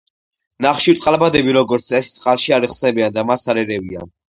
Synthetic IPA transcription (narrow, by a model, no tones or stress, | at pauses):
naχʃiɾt̪ʼqʼalˠbad̪ɛbiɾɔɡɔɾt̪sʰɛst̪sʼqʼalˠʃiaɾiχsnɛbiand̪amasalɛɾɛvia̰